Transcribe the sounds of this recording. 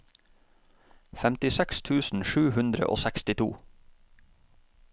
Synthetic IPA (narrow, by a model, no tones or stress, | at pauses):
fɛmt̪ɪsɛkst̪ʰʉːsn̩ʃʉːhʉnd̪ɾə̰ʔo̰ːsækst̪ɪt̪ʰṵː